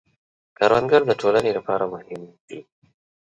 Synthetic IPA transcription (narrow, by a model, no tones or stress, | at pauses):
kaɾwanɡaɾd̪əʈʰoːlanelapɑːɾamʊhɪmd̪̥i